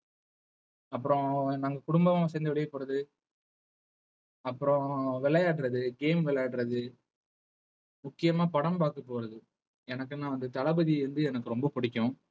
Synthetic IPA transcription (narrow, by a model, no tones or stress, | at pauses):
ɐpːɯɾɔ̃naːŋɡɐkʊɽʊmbɐmãsɛːnd̪ɐʋɪɽɪjɐpːoːɾɐðɯ | ɐpːɯɾɔ̃ʋɛɭɐjaːʈːɾɐðɯɡeːmʋɛɭɐjaːʈɾɐðɯ | mʊkːɪjɐmaːpɐɽɐmpaːkːɐpːoːɾɐðɯ | ɛnɐk̬ːɯnaːʋɐnd̪ɯt̪ɐlɐbɐðiɾɯnd̪ɯɛnɐkːɯɾɔmbɐpʊɽɪkʲːʊ̃